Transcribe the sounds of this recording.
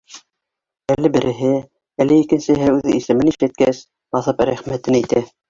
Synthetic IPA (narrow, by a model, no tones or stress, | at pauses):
ælːɘbɘ̆ɾʔɘ̆ɦɘ | ælːɘikɘ̆nsɘ̆ɦɘʉðɘisɘ̆mɘniʃlæt̪̚kæs | bɑθɤpɾæχmæt̪ɘnit̪æ